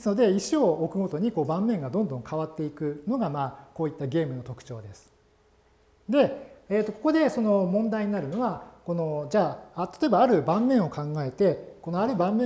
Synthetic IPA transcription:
desɨno̞d̪e̞iɕioːkɯ̟ɡo̞t̪o̞ɲ̟iko̞ːbãmːẽ̞ŋɡad̪õ̞nd̪õ̞ŋkʰaβat̪ːe̞ikɯ̟no̞ɡamaːkoːit̪ːaɡʲe̞ːmɯno̞t̪o̞kɯ̟̥t͡ɕo̞ːd̪e̞sɨ̥ | d̪e̞eːt̪ːo̞ko̞kod̪e̞so̞no̞mõ̞nd̪aiɲ̟inaɾɯ̟no̞βako̞no̞d͡ʑaːat̪at̪o̞e̞baːɾɯ̟bãmːẽ̞ɰ̃o̞kãŋɡae̞t̪e̞ko̞noaɾɯ̟bãmːẽ

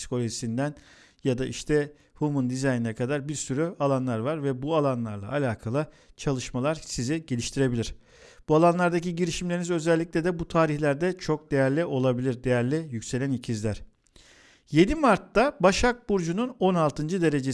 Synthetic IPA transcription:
si̥kʰo̞lʲoʒisind̪æn | jad̪aʔiʃt̪ʰɛ | humund̪izajninɛkʰad̪aɾbiɾsyɾyalˠanlˠaɾvaɾvɛbualˠanlˠaɾlˠa̰alʲaːkʰalˠɯ | t͡ʃʰalˠɯʃmalˠaɾsiziɟe̞lʲiʃt̪ʰiɾe̞bilʲiɾ̥ | b̥ualˠanlˠaɾd̪aciɟiɾiʃimlʲeɾinizø̞zɛlʲːiclʲɛd̪ɛbut̪ʰaːɾiçlʲæɾd̪ɛt͡ʃʰo̞k̚d̪e̞jæɾlʲiʔo̞lˠabilʲiɾd̪e̞jæɾlʲijycse̞lʲænicʰizlʲæɾ̥ | je̞d̪imaɾt̪ːabaʃak̚buɾd͡ʒununo̞nalˠt̪ʰɯnd͡ʒɯd̪e̞ɾe̞d͡ʒe

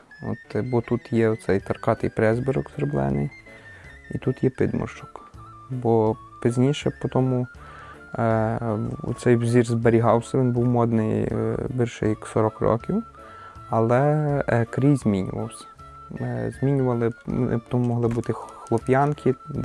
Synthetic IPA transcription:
ɔ̰t̪bɔt̪ut̪jɛɔt̪sɛjt̪ɐrkɑt̪ɪjpɾɛzbɪɾɔksɾblˠɛ̰nɪ̰j | it̪ut̪jɛpɪ̰d̪mɔ̰rt͡ʃɔk | bɔ | pɪzʲnʲiʃɛpɔt̪ɔmʊ | ṵt̪sɛjwzʲirzbeɾʲiɦɑwsʲɐʋʲinbuwmɔd̪nɪjbirʃɛ̰jɐksɔɾɔkrɔ̰kʲiw | ɐlˠɛkɾʲijzʲmʲinʲʊ̰ʋɐwsʲɐ̥ | zʲmʲinʲʊʋɐlˠɪɪ̰pɔt̪ɔmumɔɦlˠɪbut̪ɪxlˠɔpʲjɑnkʰʲi

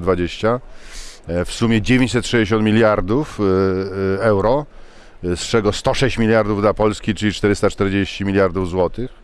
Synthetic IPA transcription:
d̪vad͡ʑeɕt͡ɕa | fsumʲjɛd͡ʑevʲẽɲt͡ɕʲsɛt̪ʂɛd͡ʑd͡ʑeɕ̬ɔnt̪mʲilʲjaɾd̪uf | ɛwɾɔ | st͡ʂɛɡɔst̪ɔʂɛɕt͡ɕmʲilʲjaɾd̪uvd̪lapɔlskʲit͡ʂɘlʲit͡ʂt̪ɛɾɘst̪at͡ʂt̪ɛɾd͡ʑeɕt͡ɕimʲilʲjaɾd̪uvzwɔt̪ɘx

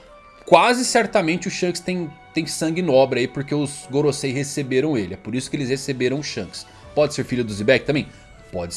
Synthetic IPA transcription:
kwazɪsɛɾt̪ɐmẽnt͡ʃɪʊʃɐ̃kɪst̪ẽj̃t̪ẽj̃sɐ̃ŋɡɪnɔbɾɪaipoɾkeʊzɡoɾosejhesebeɾɐ̃w̃elɪɛpoɾisʊ̥kɪelɪshesebeɾɐ̃w̃ʊʃɐ̃kɪ̥s | pɔd͡ʒɪseɾfiʎʊd̪ʊzibɛkɪt̪ɐ̃mbẽj̃ | pɔd͡ʒɪ

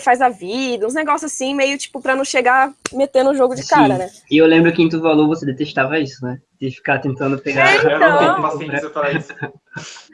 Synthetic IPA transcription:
fajzɐvid̪ɐũzneɡɔsjʊzasĩmejʊt͡ʃi̥pʊpɾɐnɐ̃w̃ʃeɡamet̪ẽnʊ̃ʒoɡʊd͡ʒɪskãɾɐnɛ | ɪewlẽmbɾʊkɪẽt̪uvalovosed̪et̪eʃt̪avɐisʊnɛd̪ɪfi̥kat̪ẽnt̪ɐ̃nd̪ʊpeɡaɾ̃t̪ẽpɾɐ

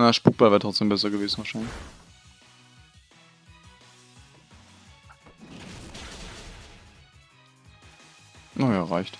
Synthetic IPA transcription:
nɐʃpuk̚b̥alveːɐtʁ̥ɔt͡sd̥eːmbɛs̬ɐɡəveːzn̩vaɐʃaɪnlɪç | ʔajaːʁaɪçt

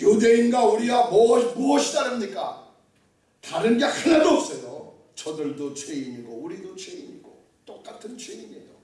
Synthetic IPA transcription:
jude̞inɡwauɾiɡamomoʌɕʰidaɾɯmɲik͈a̰ | taɾɯnɡakʰananop̚s͈ʌjo | t͡ɕʌdɯɭdot͡ɕʰweiɲiɡouɾidot͡ɕʰweiɲḭɡo̰ | t͈ok͈atʰɯnt͡ɕʰweiɲḛjo

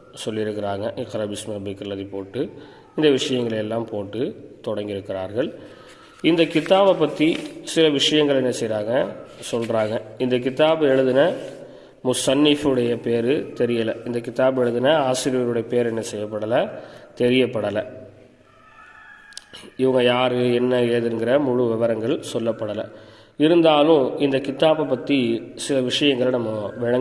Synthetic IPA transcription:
sɔlːɪɾɯkːɪɾaːŋɡɐʔqɐɾɐbɪsmɐɐbɪkːɐlːɐðipoːʈːɯ | ɪnd̪ɐʋɪʂɐjɐŋɡɐɭɐjɛlːaːmpoːʈːɯt̪ɔɽɐŋɡɪɾɯkːɪɾaːɾɣɐɭ | ɪnd̪ɐkɪt̪ːaːʋɐpːɐt̪ːisɪlɐʋɪʂɐjɐŋɡɐɭɛnːɐsɛjɾaːŋɡɐsɔlraːŋɡɐɪnd̪ɐk̬ɪt̪aːbɯɛɻɯðɪnɐ | mʊsɐnːɪfɯɽɐjɐpeːɾɯt̪ɛɾɪjɐlɐɪnd̪ɐkɪt̪aːbɛɻɯðɯnɐaːsɪɾɪjɐɾɯɽɐjɐpeːɾɛnːɐsɛjːɐpːɐɽɐlɐt̪ɛɾɪjɐpːɐɽɐlɐ | ɪʋɐŋɡɐjaːɾɯɛnːɐeːðɯnɡɪɾɐmʊɻʊʋɪʋɐɾɐŋɡɐɭsɔlːɐpːɐɽɐlɐ̰ | ɪɾɯnd̪aːlʊ̃ɪnd̪ɐkɪt̪aːbɐpːɐt̪ːisɪlɐʋɪʂɐjɐŋɡɐɭnɐmːɐʋɪɻɐŋ

